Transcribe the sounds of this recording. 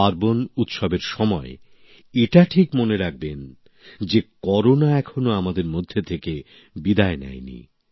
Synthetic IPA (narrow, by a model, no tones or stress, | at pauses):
aɾbonut̪ʃobeɾʃɔmɔe | eʈaʈʰikmoneɾaɡ̚ben | d͡ʑekɔɾonaɛkʰonoamad̪eɾmod̪ʱːet̪ʰeke | bid̪aenɛ̰jnḭ